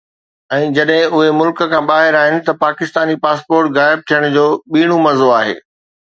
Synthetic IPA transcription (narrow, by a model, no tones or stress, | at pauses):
ɛ̃ːd͡ʑɐɗɦɪ̃ʊɦemʊlk̆kʰãːɓaːɦɪɾaːɦɪnɪ̆t̪ɐpaːkɪst̪aːnipaːspoːɾʈɣaːɪb̚t̪ʰijəɽ̃d͡ʑoːɓiːɽ̃umɐzoaːɦḛː